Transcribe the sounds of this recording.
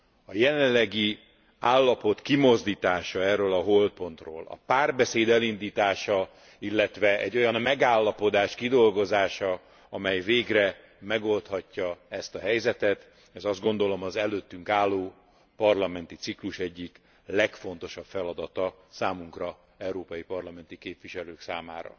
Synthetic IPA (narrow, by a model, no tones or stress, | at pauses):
ɒjɛlɛnːɛɡi | aːlːɒpo̞t̪kimo̞zd̪iːt̪aːʃɒɛrøːlɒɦo̞lpo̞nt̪ro̰ːlɒ̰paːrbɛseːd̪ɛlind̪iːt̪aːʃɒ | ilːɛt̪ʋɛɛ̰ɟːo̞jɒnmɛɡaːlːɒpo̞d̪aːʃkid̪o̞lɡo̞zaːʃɒ | ɒmɛjveːɡrɛ | mɛɡo̞lt̪hɒcːɒɛst̪ɒɦɛjzɛt̪ɛt̪ | ɛzɒzd̪ɡo̞nd̪o̞lo̞mɒzɛløːt̪ːyŋkaːlːoː | pɒrlɒmɛnt̪it̪sikluʃɛɟːik | lɛkfo̞nt̪o̞ʃɒpfɛlɒd̪ɒt̪ɒ | saːmuŋkrɒ | ɛuɾoːpɒjipɒrlɒmɛnt̪ikeːpʋiʃɛløːksaːma̰ːɾɒ̰